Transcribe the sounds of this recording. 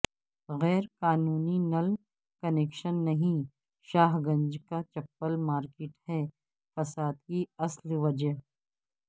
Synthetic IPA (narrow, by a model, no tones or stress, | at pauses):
ɣɛːɾkaːnuːninɐl | kɐneːkʃənːɐɦĩ | ʃaːɦɡɐ̃nd͡ʒkat͡ʃɐpːəlmaːɾkɪːʈhɛː | fɐsaːd̪kiɐslʋɐd͡ʒəɦ